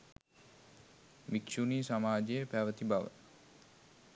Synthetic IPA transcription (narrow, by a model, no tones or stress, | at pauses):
ʋikʃuniːsamaːd͡ʒejəpæʋət̪ibaʋə̰